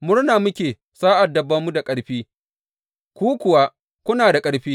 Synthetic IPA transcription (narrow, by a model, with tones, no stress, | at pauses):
mʊ˦ɽnaː˨mʊ˦kʲeː˨ | saː˦ʔa˨dːɐ˨bːɐ˦mːu˦da˨kʼɐ˦ɽɸiː˦ | kʷuː˦kʷʊ˨wa˦ | kʷʊ˦naː˨da˨kʼɐ˦ɽɸiː˦